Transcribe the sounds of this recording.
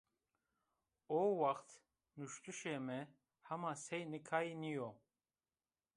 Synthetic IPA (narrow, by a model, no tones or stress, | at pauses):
ɔwaχt̪ʰ | nuʃt̪ʰʼuʃɛmɛ | hamasɛjnikʰainijɔ